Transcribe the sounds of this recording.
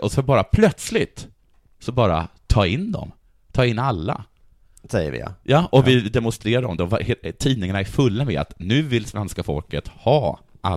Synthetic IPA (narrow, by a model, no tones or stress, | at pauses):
ɔsɔbɑːɾapʰlœt̪slɪt̪ | sɔbɑːɾa̰t̪ʰɑːɪnːd̪ɔ̰m | t̪ʰɑːɪnːalːa̰ | sɛjə̰vɪ̰j̰jɑːʔɔvɪd̪ɛmɔnst̪ɾeːɾaɾɔmd̪ɛɔvht̪ʰiːnɪŋanaæɾfɵlːamɛ̰a̰t̪nʉ̟ːvɪlsvɛnskafɔ̰lkət̪hɑː | ʔa̰